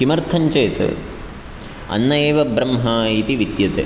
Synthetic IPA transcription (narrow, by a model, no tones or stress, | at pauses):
imɐɾt̪ʰɐɲt͡ʃeːt̪ɨ̰ | ɐ̰nːɐeːʋɐbɾɐmɦɐit̪iʋid̪jɐt̪ḛ